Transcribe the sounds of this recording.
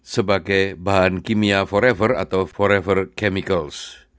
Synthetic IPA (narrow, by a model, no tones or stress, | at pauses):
səbaɡajbaɦankimiafɔɾɛvəra̰t̪awfɔɾɛvərkɛmikəls